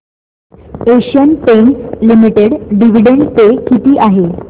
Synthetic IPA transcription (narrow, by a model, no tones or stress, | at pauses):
eɕənpeɳlimiʈeɽɖiʋ̤iɖeɳɖt̪ekit̪iːʔaɦe